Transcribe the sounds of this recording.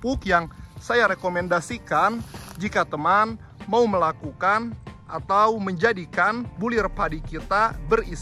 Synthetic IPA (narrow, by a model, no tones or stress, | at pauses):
pʊkjaŋsajaɾekomɛndasikand͡ʒikat̪əman | mauməlakukanʔat̪awməɲd͡ʒadikanbulɪrpadikit̪abəris